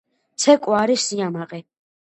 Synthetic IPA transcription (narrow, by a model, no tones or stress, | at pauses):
t̪sʰɛkʼwaɾisiamaʁɛ